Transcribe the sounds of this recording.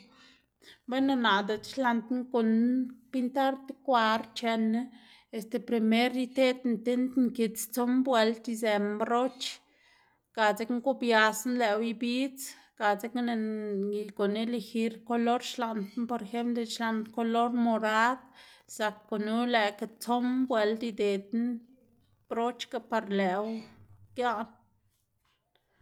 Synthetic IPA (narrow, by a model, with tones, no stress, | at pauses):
be˦na˧na˨d̪e˨t͡ʃʃla˧nt̪n˦ko˨npi˦nt̪a˦ɾt̪e˦kʷa˧ɾt͡ʃe˧n˦ | e˧st̪e˧pɾe˧me˦ɾi˦t̪e˦t̪nt̪e˦nt̪ŋki˧t͡st͡so˦mbwe˧lt̪i˧ze˧mbɾo˦t͡ʃ | ka˨t͡se˧˦kŋku˦bja˧snle˨˧wi˧bi˦t͡s | ka˨t͡se˦kne˧i˧ko˨ne˦le˧xi˧ɾko˧lo˦ɾʃla˧nt̪npo˧ɾe˧xe˦mpd̪e˧ʃla˧nt̪ko˧lo˦ɾmo˧ɾa˦d̪sa˨kːo˨nu˦le˨ka˧t͡so˦mbwe˧lt̪i˧d̪e˨d̪n | b̥ɾo˦t͡ʃka˧pa˧ɾle˨wɡja˦n